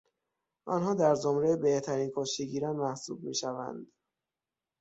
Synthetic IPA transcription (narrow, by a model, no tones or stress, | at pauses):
ʔɒ̰nɦɒːd̪æɾd͡ʒomɾejebeht̪ʰæɾiːnkʰoːʃiɟiːɾænmæhsṵːb̚mḭːʃævæ̰nd̪̥